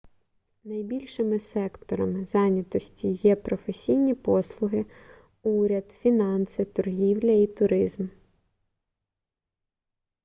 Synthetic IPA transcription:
nɐjbʲilʲʃɪmɪsɛkt̪ɔɾɐmɪzɑnʲɐt̪ɔsʲtʲijɛpɾɔfesʲijnʲipɔslˠʊɦɪ | uɾʲɐd̪fʲinɑnsɪt̪ɔrɦʲiwlʲɐit̪ʊɾɪzm

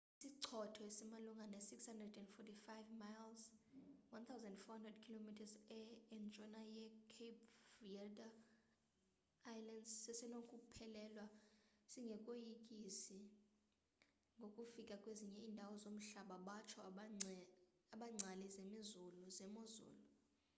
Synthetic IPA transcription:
isiǀʰɔtʰɔesɛmaluŋɡanesikshandrɛdɛndfɔtʰifajvmajlzwant̪ʰawzãndfɔhandrɛdkʰilomitʰazɛɛnt͡ʃʼɔnajɛkʰepʰviɛda | ajlandssɛsɛnokʼupʰɛlɛlwasiŋɡʱɛkʼojikʼisi | ŋɡʱokʼufikʼakʼweziɲɛiːndʱawɔzom̩ɬaɓaɓat͡ʃʰɔ | aɓaŋ͡ǀʱalizemizuluzɛmozṵːlu

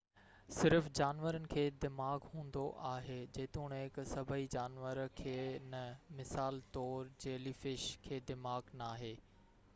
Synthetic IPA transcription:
sɪɾfd͡ʑaːnʋəɾənɪ̆kʰeːd̪ɪmaːɡɦũːn̆d̪oʔaːɦed͡ʑeːt̪ũːɽ̃ɦɪksɐbʱəid͡ʑaːnʋəɾkʰeːnɐmɪsaːlt̪ɔːɾd͡ʑeːlifɪʃkʰeːd̪ɪmaːɡnaːɦeː

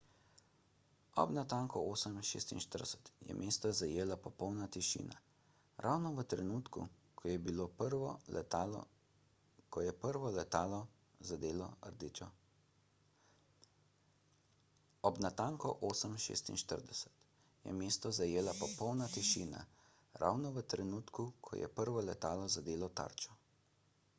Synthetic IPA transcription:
ɔ̰bnat̪aŋkɔoːsəmʃḛːst̪ḭnʃt̪əɾdɛsɛ̥t̪jɛ̰mʔeːst̪ɔzajeːlapɔpɔwnat̪iʃḭːna̰ | ɾʔawnɔʋət̪ɾɛnuːt̪kṵ | jɛbiloːpɾ̰ | kɔjɛpəɾʋɔlɛt̪aːlɔ | zad̪eːlɔ̰ə̰ɾd̪it͡ʃɔ | ɔbnat̪aŋkɔʔoːsəmʃḛːst̪ḭnʃt̪əɾd̪ɛsɛ̥t̪ | jɛ̰meːst̪ɔzajeːlapɔpɔwnat̪iʃiːna̰ | ɾa̰wnɔʋət̪ɾɛnuːt̪kukʰɔ̰jɛ̰pəɾʋɔlɛt̪aːlɔzad̪eːlɔt̪a̰ːɾt͡ʃɔ

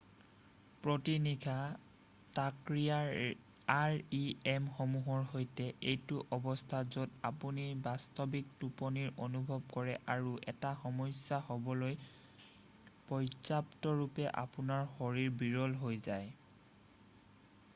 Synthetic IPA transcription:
pɹotiniɡʰʱa | takɹija | aɹiɛmxɔmuɦɔɹɦojtɛejtʊʔɔbɔstʰazodapunibastɔbik̚tupɔniɹʔonubʱɔbkɔɹɛʔaɹuʔɛ̰taxɔmɔsjahɔbɔloj | pɔjzaptɔɹupɛʔa̰punaɹxɔɹiɹbiɹɔlɦojzaj

